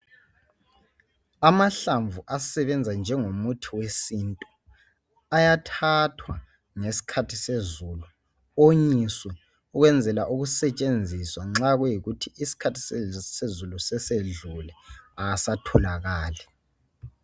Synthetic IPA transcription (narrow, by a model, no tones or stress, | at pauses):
amaɬaɱvʱuʔasɛβɛnd͡zʱand͡ʒʱɛŋomutʰiwesintʼu | ajatʰatʰwa | ŋesi̥kʰatʰisezulu | oɲiswɛ | uɣwɛnd͡zʱɛlaʔuɣusɛt͡ʃʼend͡zʱiswaŋ͡ǁaɣwɛjiɣutʰiisi̥kʰatʰi̥ssezulusɛseɮulɛasatʰɔlaɣaːlɛ